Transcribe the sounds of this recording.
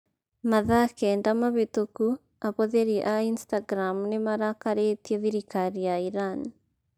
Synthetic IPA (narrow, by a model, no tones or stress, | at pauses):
maðakɛndamaβetoku | aβɔðeɾiʔainstaɡɾamunemaɾakaɾetiɛðiɾikaɾijaiɾani